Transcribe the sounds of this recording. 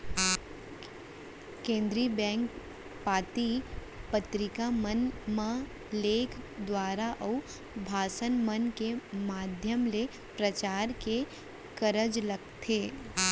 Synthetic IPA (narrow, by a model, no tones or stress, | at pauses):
kẽːnd̪ɾibɛ̃ːŋk | paːt̪i | pət̪ɾɪkamənmã | leːkʰd̪waːɾaʔɔ | bʱaːsənmənkemaːd̪ʱjəmle | pɾət͡ʃaːɾke | kəɾəd͡ʒləɡ̚t̪ʰeː